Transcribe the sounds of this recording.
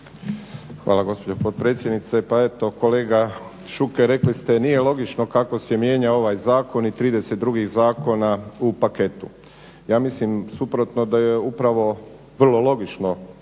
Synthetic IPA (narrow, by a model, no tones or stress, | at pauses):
xʋa̰ːlaɡo̞spod͡ʑopot̪̚pɾet̪sjed̪nit̪se̞pae̞t̪o̞ko̞le̞ːɡa | ʃukeɾe̞klist̪e̞nije̞lˠo̞ɡit͡ʃno̞kako̞sjemje̞ːɲao̞ʋajzaːko̞nit̪ɾiːd̪eset̪̚d̪ɾuɡiɣzaːko̞naupake̞t̪u | jaːmislimsupɾo̞t̪no̞d̪ajeupɾaʋo̞ | ʋr̩lˠo̞lo̞ɡit͡ʃno̞